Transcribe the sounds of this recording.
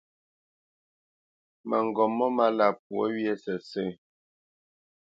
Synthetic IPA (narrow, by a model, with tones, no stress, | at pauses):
mə̰˨ŋ˨ɡɔ˨mːɔ˦ma˦la˨p̚wɔ˦ɥjɛ˦sɛ˨sə˦˨